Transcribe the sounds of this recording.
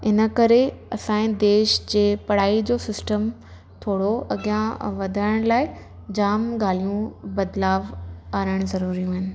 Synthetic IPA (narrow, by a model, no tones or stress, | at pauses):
ɪnə̆kɐɾeɐsãːĩd̪eːʃd͡ʑeːpɐɽ̤aːid͡ʑoːsɪsʈəm | t̪ʰoːɽoʔɐɡijãʋɐd̪ʱaːɪɽ̃laːɪ | d͡ʑaːmɡaːl̤ijũbɐd̪laːʋaːɾəɽ̃zɐɾuːɾijũɦɪnɪ̆